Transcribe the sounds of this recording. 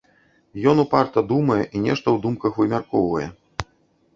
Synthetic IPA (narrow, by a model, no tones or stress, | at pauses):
jɔnupart̪ɐd̪umɐjɛʔinʲɛʂt̪ɐwd̪umkɐxvɨmʲarkɔwvɐjɛ